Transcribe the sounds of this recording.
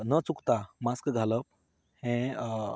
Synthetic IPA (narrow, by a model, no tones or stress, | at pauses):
nət͡sukt̪amaskɡʱaləp̚ | hɛ̃